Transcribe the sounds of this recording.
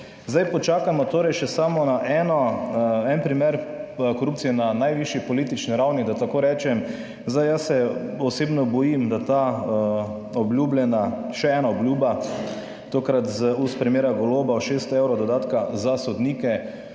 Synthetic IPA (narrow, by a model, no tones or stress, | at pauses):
zd̪ajpɔt͡ʃaːkamɔt̪oːɾɛjʃɛsamɔnaʔɛːnɔɛnpɾimɛɾkɔɾuːp̚t̪sijɛnanajʋiʃipɔliːt̪it͡ʃniɾawnid̪at̪akoːɾɛːt͡ʃɛm | zd̪ajasɛɔseːbnɔbɔjimd̪at̪a | ɔbljuːbljɛnaʃɛɛːnaɔblʲjuba | t̪oːkɾat̪zuspɾimeːɾaɡɔloːbaɔʃeːst̪ɔeːwɾɔd̪ɔd̪aːt̪kazasɔd̪niːkɛ